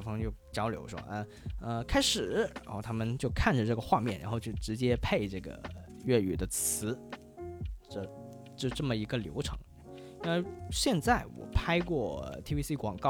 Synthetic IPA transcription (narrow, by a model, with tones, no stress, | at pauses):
fɑ˧˥ŋt͡ɕjo˥˩ʊt͡ɕjɑ˥ʊljo˧˥ʊʂwɔ̰˥ʔə˧ | ə˧kʰa˥ɪʂɻ̩˨˩ɻa˥xo˥˩ʊt̪ʰa˥mə˨nt͡ɕjo˥˧ʊkʰa˥˩nʈ͡ʂə˩ʈ͡ʂɤ˥˩ɡə˩xwa˥˧mjɛ˥˩nɻʔa˧˥nxo˧ʊt͡ɕʰo˥˩ʊʈ͡ʂɻ̩˧˥t͡ɕjɛ˥pʰe˥˧ɪʈ͡ʂɤ˥˩ɡə̰˩ | ɥɛ˥˩y̰˨˩d̪ə˦t͡sʰɹ̩˧˥ | ʈ͡ʂə˥˧ | t͡ɕjo˥˧ʈ͡ʂɤ˥˩mə˩i˧˥ɡə˧ljo̰˧˥ʊʈ͡ʂʰɤ̰˧˥˦ŋ˥˩ | i˥we˥˧ɪɕjɛ˥˧nt͡sa˥˩ɪwɔ̰˨˩pʰa˥ɪkwɔ˥˩t̪ʰi˥wi˥si˥kwɑ̰˨˩ŋkɑ˥˩